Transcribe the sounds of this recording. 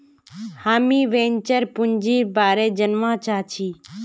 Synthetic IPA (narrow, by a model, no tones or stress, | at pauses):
haːmiːʋẽːɲt͡ʃəɾpʊɲd͡ʒiːbaːɾeːd͡ʒənmãːt͡ʃʰaːt͡ʃʰiː